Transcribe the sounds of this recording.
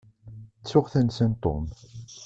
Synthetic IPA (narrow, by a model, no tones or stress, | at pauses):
t͡sːʊʁθænsænt̪ˤːo̰m